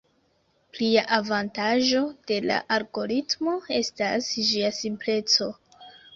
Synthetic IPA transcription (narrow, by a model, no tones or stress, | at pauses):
pliaʔavantaʒo̞d̥e̞la̰ʔalɡo̞ɾitmo̞e̞stasd͡ʒiasimple̞t͡so̞